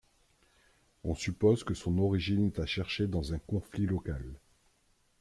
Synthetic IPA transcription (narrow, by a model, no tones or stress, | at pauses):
ɔ̃sypozkəsɔ̃nɔʁiʒinɛt̪aʃɛʁʃed̪ɑ̃zɛ̃kɔ̃flilɔkal